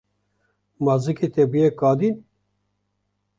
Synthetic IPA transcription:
mazɨkit̪ɛbijekɑːd̪in

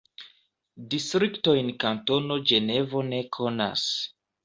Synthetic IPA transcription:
distɾikto̞jnkanto̞no̞d͡ʒe̞ne̞vo̞ne̞kʰo̞na̰s

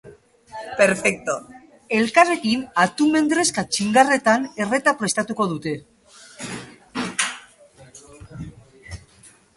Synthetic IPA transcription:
peɾfek̚t̪o | e̞lkare̞kinat̪ume̞nd̪ɾe̞skat͡ʃiŋɡare̞t̪ane̞re̞t̪apɾe̞st̪at̪uko̞ðut̪e̞

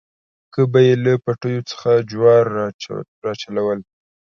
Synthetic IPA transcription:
kəbajelapaʈəjot͡sə̥xad͡ʒwɑɾ̰ | ɾɑt͡ʃalawəl

